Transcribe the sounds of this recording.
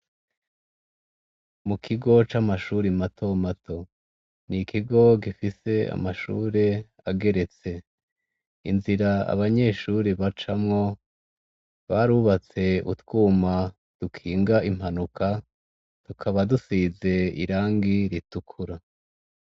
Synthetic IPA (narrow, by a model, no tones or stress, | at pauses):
mukʰiɡo̞t͡ʃamaʃuɾimatʰo̞matʰo̞ | nikʰiɡo̞ɡifise̞a̰maʃṵːɾe̞ | aɡe̞ɾe̞t͡se̞ | inziɾaa̰βaɲe̞ːʃuɾiβat͡ʃamŋo̞ | βaɾuβat͡se̞ṵtwuːma | d̥ukʰiːŋɡaʔim̥hanukʰa | tukʰaβadusiːze̞ḭɾaːŋɡiɾitukʰuɾa